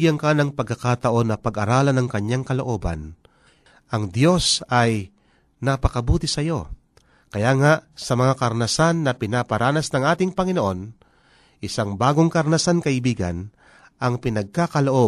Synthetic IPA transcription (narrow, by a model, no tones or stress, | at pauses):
ɡɪɐŋkaːnɐŋpɐɡ̚kːɐkat̪ɐʔo̞nːɐpɐɡɐɾaːlɐnɐŋkɐɲjaŋkɐlo̞ʔo̞ːbɐ̰n | ʔɐŋd̪jo̞sɐj | nɐpɐkɐbuːt̪ɪsɐjo̞ | kɐjaːŋaʔsɐmɐŋakɐɾnɐsanːɐpɪnapɐɾaːnɐsnɐŋʔaːt̪ɪŋpɐŋɪnoʔo̞n | ʔɪsaŋbaːɡoŋkɐɾnɐsankɐʔɪbiːɡɐ̰n | ʔɐŋpɪnɐɡ̚kakɐloʔo̞